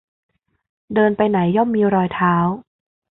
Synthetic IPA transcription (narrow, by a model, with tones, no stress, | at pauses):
dɤː˧npa˧jna˩˦jːɔ˥˩mːiː˧ɾɔː˧jt̪ʰaː˦˥w